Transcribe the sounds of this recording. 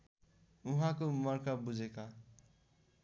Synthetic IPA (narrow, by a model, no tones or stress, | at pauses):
uɦãkomʌɾkabud͡zʱeka